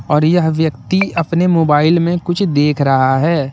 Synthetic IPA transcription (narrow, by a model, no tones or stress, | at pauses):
ɔːɾjɐɦʋjəktt̪iɐpnemoːbaːɪlmẽkʊt͡ʃʰd̪eːkʰɾɐɦaɦɛː